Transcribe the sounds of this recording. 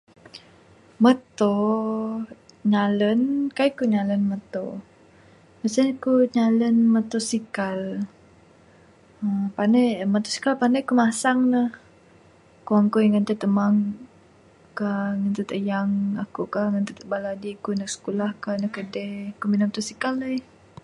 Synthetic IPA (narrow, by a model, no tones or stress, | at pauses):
mət̪o | ɲalənkajkuɲalənmət̪o | bəsənkuɲalənmət̪osikal | əpanajəmət̪osi̥kalpanajkumasaŋnəh | kuaŋkujəŋənt̪ət̪əmaŋ | kaŋənt̪ət̪əjaŋakuʔkaŋənt̪ət̪əbaladikunəksə̥kulahkanəhkədekuminamət̪osikaləj